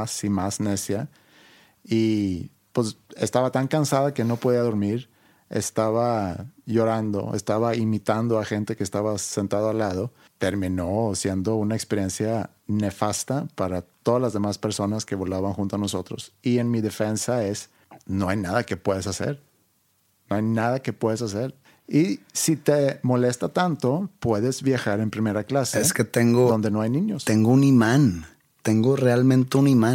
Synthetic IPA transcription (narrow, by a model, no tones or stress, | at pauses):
simazne̞sja | i | pwe̞se̞st̪aβat̪aŋkansaðake̞no̞po̞ðiaðo̞ɾmiɾ | e̞̰st̪aβaʝo̞ɾand̪o̞̰ḛst̪aβaimit̪and̪o̞axe̞nt̪e̞keːst̪aβase̞nt̪aðoalːað̞o̞ | t̪e̞ɾmĩno̞sje̞nd̪o̞unaekspe̞ɾje̞nsja | ne̞fast̪apaɾat̪o̞ðazlazðe̞maspe̞ɾso̞naske̞βo̞laβaŋxunt̪oanoso̞t̪ɾo̞̰sienmiðe̞fe̞nsae̞s | no̞ajnaðake̞pwe̞ðesase̞̰ɾ | noajnaðake̞pwe̞ðes̬as̬e̞ɾ | isit̪emo̞le̞st̪at̪ant̪o̞pwe̞ðe̞zβjaxaɾe̞mpɾime̞ɾaklasesket̪eŋɡod̪o̞nd̪e̞no̞ajnĩɲo̞seŋɡounimãn | t̪eŋɡorealmẽnt̪eunimã